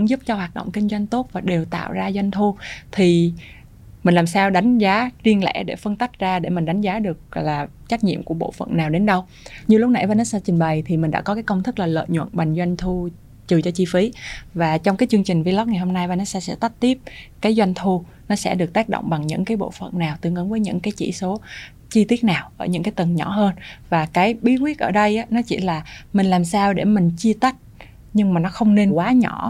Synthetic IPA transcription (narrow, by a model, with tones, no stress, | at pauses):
nzu˦˥p̚t͡ɕɔ˧haː˨˩t̚ɗo̰˧˨ŋ͡mkï˧ŋ̟zwa˧jŋ̟t̪o˦˥t̚vaː˨˩ɗe˨˩wt̪a̰ː˧˨wzaː˧zwa˧jŋ̟t̪ʰu˧t̪ʰi˨˩ | mï˨˩ŋ̟laː˨˩msaː˧wɗa˨˦ŋ̟zaː˨˦zi˧ənlɛ̰˧˥˩ɗe˧˩fə˧nt̪a˦˥jk̚zaː˧ɗe˧˩mï˨˩ŋ̟ɗa˨˦jŋ̟zaː˨˦ɗɨ˨˩ək̚laː˨˩ | t͡ɕa˦˥k̚ɲḭ˧˨mku˧˩əɓo̰˧˨fə̰˧˨nnaː˨˩wɗe˨˦nɗə˧w | ɲɨ˧lʊ˦˥k͡p̚na˧˩jvaː˨˩nɔ˨˦sɛ˧t͡ɕï˨˩ŋ̟ɓa˨˩jt̪ʰi˨˩mï˨˩ŋ̟ɗa̰ː˧˥kɔ˨˦kaː˨˦jkə˧wŋ͡mt̪ʰi˦˥k̚laː˨˩lə̰ː˧˨jɲwə̰˧˨nɓa˨˩jŋ̟zwa˧jŋ̟t̪ʰu˧ | t͡ɕɨ˨˩t͡ɕɔ˧t͡ɕi˧fi˨˦vaː˨˩t͡ɕɔ˧wŋ͡mkaː˨˦jt͡ɕɨ˧əŋt͡ɕi˨˩ŋ̟vi˧lɔ˦˥k̚ŋa˨˩jho˧mna˧jvaː˨˩nɔ˨˦sɛ̰˧˥sɛ̰˧˥t̪a˦˥t̚t̪i˦˥əp̚kaː˨˦jzwa˧jŋ̟t̪ʰu˧ | nɔ˨˦sɛ̰˧˥ɗɨ˨˩ək̚t̪aː˦˥k̚ɗo̰˧˨wŋ͡mɓa˨˩ŋɲɨ̰˧˥ŋkaː˨˦jɓo̰˧˨fə̰˧˨nnaː˨˩wt̪ɨ˨˦əŋʔɨ˨˦ŋvəː˨˦jɲɨ̰˧˥ŋkaː˨˦jt͡ɕḭ˧˩so˨˦ | t͡ɕi˧t̪i˦˥ət̚naː˨˩wʔəː˧˩ɲɨ̰˧˥ŋkaː˨˦jt̪ə˨˩ŋɲɔ˧˩˥həː˧nvaː˨˩kaː˨˦jɓi˨˦əwi˦˥ət̚ʔəː˧˩ɗə˧jʔaː˨˦nɔ˨˦t͡ɕḭ˧˩laː˨˩mï˨˩ŋ̟laː˨˩msaː˧wɗe˧˩mï˨˩ŋ̟t͡ɕi˧ət̪a˦˥t̚ | ɲɨ˧ŋmaː˨˩nɔ˨˦xə˧wŋ͡mne˧nkwaː˨˦ɲɔ̰˧˩